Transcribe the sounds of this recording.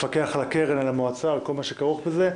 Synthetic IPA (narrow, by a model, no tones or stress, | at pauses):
fake̞aχalakeʁenalamoat͡salko̞lmaʃekaʁuχbeze